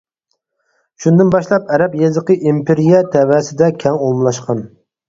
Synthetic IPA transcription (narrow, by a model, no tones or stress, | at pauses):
ʃund̪ɪnbɑʃlˠɑp̚ɛɾɛpjɛzəqʰəʔimpʰeɾijɛt̪ʰɛwæːsɪd̪ɛkʲʰɛŋolˠmlˠɑʃqʰɑn